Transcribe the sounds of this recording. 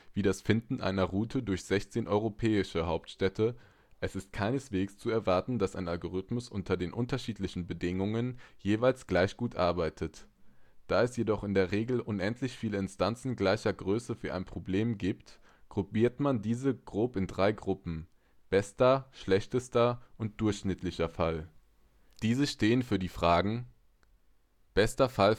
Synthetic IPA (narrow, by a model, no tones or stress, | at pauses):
v̥iːdasfɪndn̩ʔa̰ɪnɐʁuːtʰədʊɐçz̥ɛçt͡seːnʔɔʏʁopʰɛːɪʃəɦaʊp̚tʃtɛtʰə | ʔɛsɪst̚kʰaɪnəsv̥eːkst͡suɛɐvaɐtn̩dasa̰ɪnalɡoʁ̞ɪtmʊsʔʊntɐdeːnʔʊntɐʃiːtlɪçn̩bədɪŋʊŋənjeːvaɪlsɡ̥laɪçɡ̥uːtʔa̰ɐbaɪtʰət | d̥aːɛsjedɔχɪndeːɐʁeːɡl̩ʔʊnʔɛntʰlɪçfiːləɪnstant͡sn̩ɡlaɪçɐɡʁøːsəfyːɐʔa̰ɪnpʁ̥obleːmɡiːpt | ɡ̥ʁubiːɐtmandiːzəɡ̥ʁoːpɪndʁaɪɡʁʊpm̩ | b̥ɛstɐʃlɛçtəstɐʔʊnt̚d̥ʊɐçʃnɪtʰlɪçɐfal | d̥iːzəʃteːənfyːɐdiːfʁ̥aːɡŋ̩ | b̥ɛstɐfal